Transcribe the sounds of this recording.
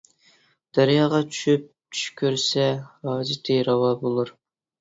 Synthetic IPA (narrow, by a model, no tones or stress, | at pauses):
d̪̥æɾjɑːʁɑt͡ʃʰy̥ʃyp̚ | t͡ʃʰy̥ʃkʲʰøɾsɛɑːzit̪ʰejɾɑwɑbolˠuɾ